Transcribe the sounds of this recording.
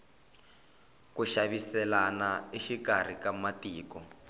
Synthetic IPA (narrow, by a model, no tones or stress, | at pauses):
kuʃaβisɛlanaiʃikar̤ikamatiːkɔ